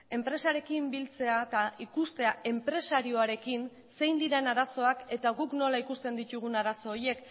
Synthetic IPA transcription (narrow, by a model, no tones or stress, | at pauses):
e̞mpɾe̞saɾe̞kimbilt͡se̞at̪aikust̪e̞ae̞mpɾe̞saɾio̞aɾe̞kin | se̞jnd̪iɾe̞naɾaso̞ake̞t̪aɣukno̞laikust̪e̞nd̪it̪uɣ̞unaɾaso̞ːje̞k